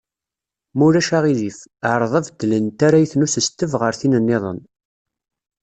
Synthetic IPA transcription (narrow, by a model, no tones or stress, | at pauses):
mʊɾæʃaʁiðifəʕɾˤðˤɑvd̪lənt̪aɾajθnusəst̪ːəvʁəɾθinənːɪðˤə̰n